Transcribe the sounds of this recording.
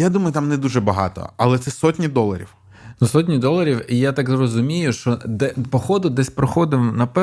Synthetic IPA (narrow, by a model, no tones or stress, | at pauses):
jad̪umɐjʊt̪amnɛd̪uʒɛbɐɦɑ̰t̪ɔ̰ɐ̰lˠɛt̪sɛsɔtʲnʲid̪ɔlˠɐ̰ɾʲḭw | nusɔtʲnʲid̪ɔlˠɐɾʲiwijat̪akzrɔzʊmʲijʊʃt͡ʃɔd̪ɛpɔxɔd̪ʊd̪ɛsʲpɾɔxɔd̪ɪmnɐpɛ